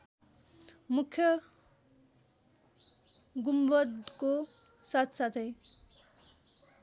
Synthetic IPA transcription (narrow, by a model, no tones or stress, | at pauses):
mukʰːjʌ | ɡumbʌd̪ko | sat̪ʰsat̪ʰʌj